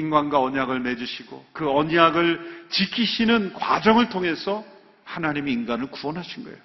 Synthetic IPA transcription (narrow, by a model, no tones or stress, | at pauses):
inɡwanɡwaʌɲaɡɯɭme̞d͡ʑuɕʰiɡo̰kɯʌɲaɡɯɭt͡ɕikʰiɕʰinɯnkwa̰d͡ʑʌŋɯɭtʰoŋe̞sʰʌ | hanaɲimeinɡanɯɭkuʌnɦaɕʰinɡʌḛjo